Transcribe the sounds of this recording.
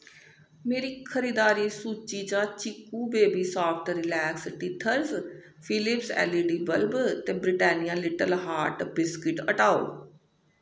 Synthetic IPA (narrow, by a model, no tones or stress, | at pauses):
meːɾiːkʰəɾiːd̪aːɾiːsuːt͡ʃiːd͡ʒãːt͡ʃɪkːũːbeːbiːsaːpʰʈɾɪlɛːksʈiːʈʰəɾs | pʰɪlɪpsɛ̰ːliːɖiːbəlbt̪eːbɾɪʈɛːnɪjãːlɪʈəlɦaːɾʈbɪskɪʈəʈaːo̰ː